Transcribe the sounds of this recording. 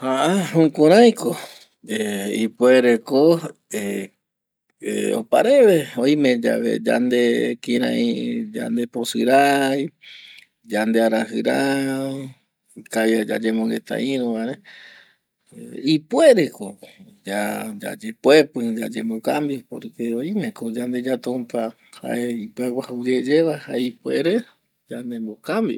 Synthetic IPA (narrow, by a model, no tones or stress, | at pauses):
haʔahũkuɾ̃ajko | eipweɾekoe | eo̰pa̰ɾe̞βeojmẽd͡ʒa̰βḛd͡ʒa̰nd̪ekiɾã̰ĩd͡ʒa̰nd̪eposɨɾaj | d͡ʒand̪eaɾaɦɨɾa | kajad͡ʒa̰d͡ʒemõŋɡe̞t̪a̰ʔĩɾõaɾe | ipwe̞ɾekod͡ʒad͡ʒa̰d͡ʒepwe̞pɨd͡ʒad͡ʒembokambipo̰ɾkeoĩmẽ̞kod͡ʒand̪e̞d͡ʒat̪ũmpa | ha̰ʔeipweɡʷahaud͡ʒed͡ʒe̞βahaeipue̞ɾe | d͡ʒand̪e̞mbokambi